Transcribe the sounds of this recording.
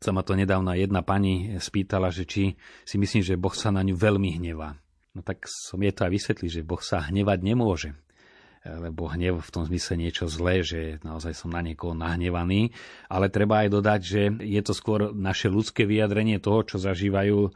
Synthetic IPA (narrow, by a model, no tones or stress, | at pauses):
samat̪ɔɲɛd̪aːʊnajɛd̪napaɲispiːt̪alaʒɛt͡ʃisimisliːmʒɛbɔxsanaɲuʋɛlmiɦɲɛʋaː | nɔt̪aksɔmɛt̪ɔajʋisʋɛt̪liɟʒɛbɔxsaɦɲɛʋaɟɲɛmʊɔʒɛ | lɛbɔɦɲɛʊft̪ɔmzmislɛɲɪɛt͡ʃɔzlɛːʒɛnaɔzajsɔmnaɲɛkɔɦɔnaɦɲɛʋaniːʔalɛt̪ɾɛbaːjd̪ɔd̪aɟʒɛjɛt̪ɔskʊɔɾnaʃɛlutt͡skɛːʋijad̪ɾɛɲɪɛt̪ɔɦɔt͡ʃɔzaʒiːʋajuː